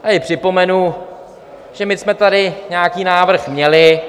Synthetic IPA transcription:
ajɪpr̝̥ɪpo̞mɛnu | ʒ̥ɛmɪsmɛt̪adɪɲaːkiːnaːvr̩xmɲɛlɪ

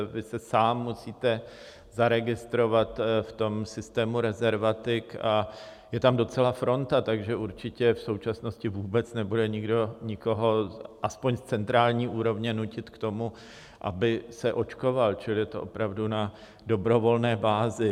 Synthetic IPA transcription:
vɪsɛsaːmːusiːt̪ɛ | zaɾɛɡɪst̪ɾo̞vat̪ft̪o̞msɪst̪ɛːmuɾɛzɛɾvat̪ɪkajɛt̪amdo̞t͡sɛlafɾo̞nt̪at̪aɡʒɛʔuɾt͡ʃɪcɛfso̞wt͡ʃasnoscɪvuːbɛt͡snɛbudɛɲɪɡdo̞ɲɪkoɦoʔaspoɲst͡sɛnt̪ɾaːlɲiːʔuːɾo̞vɲɛnucɪt̪kt̪o̞mu | ʔa̰bɪsɛʔo̞t͡ʃko̞valt͡ʃɪlɪt̪oʔopɾavduna | do̞bɾo̞vo̞lnɛːbaːzɪ

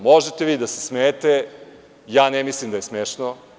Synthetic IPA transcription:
mo̞ʒet̪eʋiːd̪asesmeːt̪e | jaːnemislimd̪ajesmeːʃno

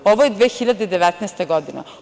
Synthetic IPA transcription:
oʋojed̪ʋeːxiʎʲːad̪eid̪ɛʋɛt̪nɛst̪eɡɔd̪ina̰

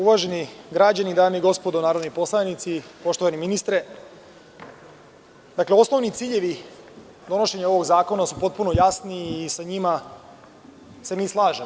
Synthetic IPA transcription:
uʋaːʒe̞niɡɾad͡ʑanid̪aːmiɡo̞spo̞d̪onaːɾod̪nipo̞slˠanit̪sipo̞ʃt̪o̞ʋaniminist̪ɾe | d̪akleo̞sno̞ʋnit̪siːʎe̞ʋi | d̪o̞no̞ʃe̞ɲao̞ʋo̞ɡzaːko̞nasupo̞t̪̚puno̞jasniːsaɲima | se̞miːslˠaːʒem

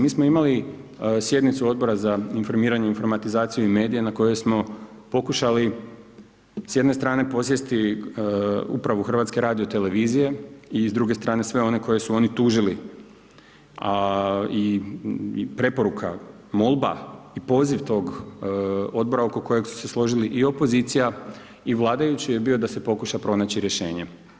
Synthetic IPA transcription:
miːsmoimali | sje̞d̪nit̪suo̞d̪̚bo̞ɾazainfo̞ɾmiːɾaɲeinfo̞ɾmat̪izaːt̪sijuime̞ːd̪ijenako̞je̞smo̞ | po̞kuʃali | sje̞d̪ne̞st̪ɾaːne̞po̞s̬jest̪i | ṵpɾaʋuxrʋat̪ske̞ɾaːd̪io̞t̪e̞le̞ʋiːzije̞izd̪ɾuːɡe̞st̪ɾaːne̞sʋe̞o̞ne̞ko̞je̞suo̞ːnit̪uːʒili | ai | pɾe̞po̞ɾukʰa̰ | mo̞lˠba̰ipo̞ːziʋt̪o̞ːɡ | o̞d̪̚bo̞ɾao̞ko̞ko̞je̞ɡsu̥se̞slˠo̞ʒiliʔio̞po̞zit̪sija | iʋlˠaːd̪ajut͡ɕijebio̞d̪ase̞po̞kuʃapɾo̞naːt͡ɕiɾjeʃe̞ːɲe̞

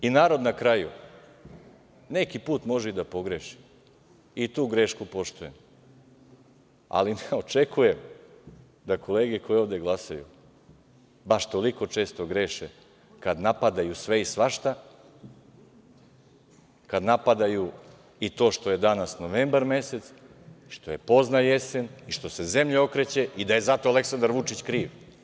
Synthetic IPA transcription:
inaːɾo̞d̪nakɾajṵ | ne̞kipuːt̪mo̞ʒɛid̪apo̞ɡɾeʃi̥ | it̪uːɡɾe̞ːʃkupo̞ʃt̪ujem | a̰lineo̞t͡ʃe̞kʰuje̞m | d̪akʰo̞leːɡeko̞jioːʋd̪e̞ɡlˠasajṵ | baʃt̪o̞liko̞t͡ʃe̞ːst̪o̞ɡɾe̞ːʃe | kad̪napad̪ajusʋe̞isʋaʃt̪a | kad̪napad̪aju | it̪o̞ːʃt̪o̞je̞d̪anasno̞ʋe̞ːmbaɾme̞se̞t̪s | iʃt̪o̞je̞po̞znaje̞se̞niʃt̪o̞se̞ze̞mʎeo̞kɾe̞t͡ɕe̞id̪aje̞zat̪o̞ale̞ksand̪aɾʋut͡ʂit͡ɕkɾiːʋ

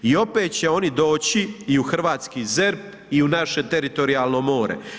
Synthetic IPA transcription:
io̞pe̞ːt̪̚t͡ɕe̞o̞nid̪o̞ːt͡ɕiiuxr̩ʋaːt̪skize̞ɾp̚ | iunaʃe̞t̪e̞ɾit̪o̞ɾiaːlno̞mo̞ːɾḛ

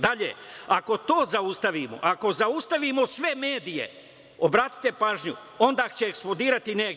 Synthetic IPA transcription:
d̪aʎḛako̞t̪o̞ːzaust̪aʋimo̞̰ʔako̞zaust̪aʋimo̞sʋe̞me̞ːd̪ije̞̰ | obɾaːt̪i̥t̪e̞paːʒɲu | o̞nd̪aːkt͡ɕeːksplˠod̪iːɾat̪ine

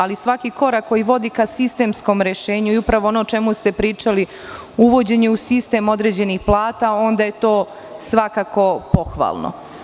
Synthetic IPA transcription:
alisʋakiko̞ɾakːo̞jiʋo̞d̪ikasist̪e̞ːmsko̞mɾe̞ʃe̞ːɲuiupɾaʋoonoːt͡ʃe̞must̪e̞pɾiːt͡ʃali | uʋo̞d͡ʑe̞ɲeusist̪e̞mo̞d̪ɾe̞d͡ʑe̞nixplˠaːt̪ao̞nd̪aje̞t̪o̞ː | sʋakako̞po̞xʋa̰ːlˠno̰

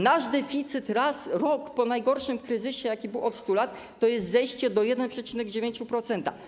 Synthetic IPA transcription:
naʐd̪ɛfʲit̪sɘt̪ɾasɾɔkpɔnajɡɔɾʂɘmkɾɘzɘɕɛjakʲibɘwɔt̪st̪ulat̪ːɔjɛst̪zɛjɕt͡ɕɛd̪ɔjɛd̪ɛnpʂɛt͡ɕinɛɡd͡ʑevʲeɲt͡ɕupɾɔt̪sɛnt̪a̰

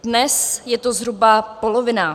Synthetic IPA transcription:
dnɛsjɛt̪ozɦɾubapolovɪna

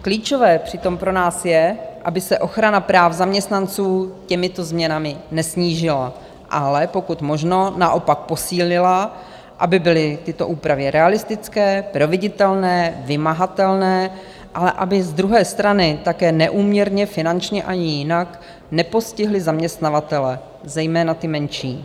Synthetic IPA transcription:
kliːt͡ʃovɛːpr̝̥ɪt̪o̞mpɾo̞naːsjɛʔabɪsɛʔo̞xɾanapɾaːfzamɲɛst̪nant͡suːcɛmɪt̪o̞zmɲɛnamɪnɛsɲiːʒɪla | ʔalɛpo̞kut̪mo̞ʒno̞naʔo̞pak̚po̞siːlɪla | ʔa̰bɪbɪlɪt̪ɪt̪o̞ʔuːpɾavɛɾʔɛalɪst̪ɪt͡skɛːpɾo̞vɪɟɪt̪ɛlnɛːvɪmaɦat̪ɛlnɛː | ʔalɛʔa̰bɪzd̪ɾuɦɛːst̪ɾanɪt̪akɛːnɛʔuːmɲɛɾɲɛfɪnant͡ʃɲɛʔaɲɪjɪnak | nɛpo̞scɪɦlɪzamɲɛst̪navat̪ɛlɛ | zɛjmɛːnat̪ɪmɛnʃiː

